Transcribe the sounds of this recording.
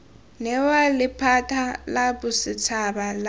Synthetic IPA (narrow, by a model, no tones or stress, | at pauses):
nɛwalɪpʰatʰalabʊsɪt͡sʰabal